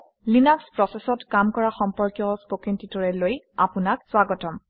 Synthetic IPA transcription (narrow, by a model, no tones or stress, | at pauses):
linakspɹɔsɛsɔtkamkɔɹaxɔmpɔɹkjɔspokintitɔɹɛloj | apʊnakswaɡɔtɔm